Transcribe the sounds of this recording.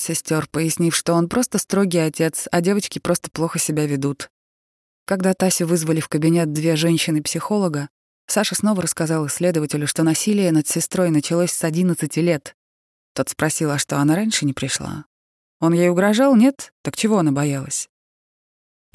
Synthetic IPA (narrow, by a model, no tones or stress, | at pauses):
sʲɪsʲtʲo̞rpəjɪsʲnʲifʂt̪o̞o̞npɾo̞st̪əst̪ɾo̞ɡʲɪjɐtʲe̞t̪sɐdʲe̞vət͡ɕkʲɪpɾo̞st̪ə̥plˠo̞xəsʲɪbʲavʲɪd̪ut̪ | kɐɡd̪at̪asʲɪvɨzvəlʲɪfkəbʲɪnʲe̞t̪̚d̪vʲe̞ʐɛnʲɕɪnɨpsʲɪxo̞lˠəɡə | saʂəsno̞vəɾəskazɑlˠɨsʲːlʲe̞d̪əvətʲɪlʲʊʂt̪o̞nɐsʲilʲɪjənət̪sʲɪst̪ɾo̞jnət͡ɕɪlˠosʲsɐdʲinət̪sɨtʲɪlʲe̞t̪ | t̪ːo̞t̪spɾɐsʲilˠəʂt̪o̞ɐnaɾanʲʂɨnʲɪpɾʲɪʂlˠa̰ | o̞njejʊɡɾɐʐɑlˠnʲet̪ːəkt͡ɕɪvo̞ɐnabɐjalˠəsʲ